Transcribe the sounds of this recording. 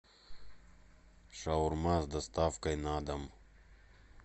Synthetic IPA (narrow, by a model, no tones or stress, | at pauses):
ʂauɾmaːsd̪ɐst̪aːfkɐjnaːd̪ɐm